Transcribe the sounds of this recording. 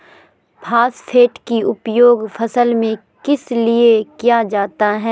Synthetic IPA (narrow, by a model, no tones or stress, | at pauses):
pʰaːspʰeːʈkiʊpjoːɡfʰɐsəlmẽ | kɪsliekijad͡ʒaːt̪aɦɛː